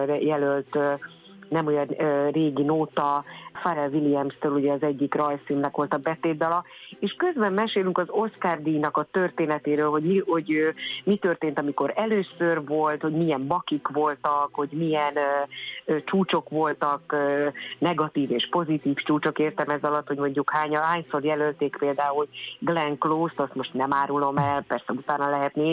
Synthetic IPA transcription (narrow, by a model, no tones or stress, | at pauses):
jɛlølt̪ː | nɛmojɒnreːɡinoːt̪ɒfaɾɛlviliɛmst̪øːluɟɛɒzɛɟːikrɒjsiːnːɛkʋo̞lt̪ɒbɛt̪eːd̪ːɒlɒeːʃkø̞zbɛmːɛʃeːlyŋkɒzo̞skard̪inɒkɒt̪ørt̪eːnɛt̪eːɾøːlɦo̞ɟmihoɟømit̪ørt̪eːnt̪ɒmiko̞ɾɛløːsørvo̞lt̪ho̞ɟmiɛmbɒkikʋo̞lt̪ɒkho̞ɟmijɛn | t͡ʃuːt͡ʃo̞kʋo̞lt̪ɒkː | nɛɡɒt̪iːveːʃpo̞zit̪iːft͡ʃuːt͡ʃo̞keːrt̪ɛmɛzɒlɒt̪ho̞ɟmo̞ɲɟukhaːɲɦaːɲso̞rjɛlølt̪eːkpeːld̪aːulɡlɛŋkloːst̪ɒst̪mo̞ʃt̪nɛmaːɾulo̞mɛlpɛrsɛut̪aːnɒlɛɦɛt̪neː